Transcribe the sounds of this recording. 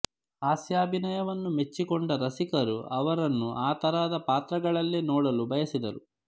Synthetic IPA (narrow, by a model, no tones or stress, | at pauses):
aːsjaːbʱinɐjɐʋɐnːume̞t͡ʃːikɔɳɖɐɾɐsikɐɾuʔɐʋɐɾɐnːuʔaːt̪ɐɾaːd̪ɐpaːt̪ɾɐɡɐɭɐlːenɔːɽɐlubʱɐjɐsid̪ɐɾu